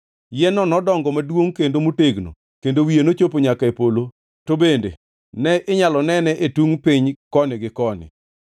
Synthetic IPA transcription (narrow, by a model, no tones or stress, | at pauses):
jɛnɔnɔdɔŋɡɔmadwoŋkendomuteɡno̰ | kendowienot͡ʃop̬oɲakaepolo | tobendḛ | nɛʔɪɲalɔnɛnɛʔetuŋpɪɲkɔnɪɡɪkɔnɪ̰